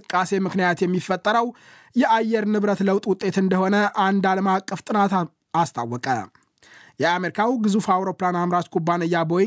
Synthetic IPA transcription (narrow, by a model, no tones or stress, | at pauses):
ɨkʼːase̞mɨknijat̪jɛmːifːət̪ʼːəɾəw | jɛʔajːɛɾnɨβɾət̪ləwt̪ʼwʊt̪ʼːe̞t̪ɨnd̪əho̞nəʔand̪aləmakʼːəft̪ʼɨnat̪ | ast̪ʰa̰wːɔkʼə̰ | jɛameɾikʰawɡɨzufawɾo̞planamɾat͡ʃ̪kʰʼubːanəjːaboj